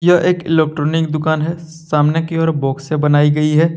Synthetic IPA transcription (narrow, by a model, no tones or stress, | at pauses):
jɐʔeːkɪlek̚ʈɾoːnɪkd̪ʊkaːnɦɛsaːmnekiɔːɾbɔːksebɐnaːiɡɐiɦɛː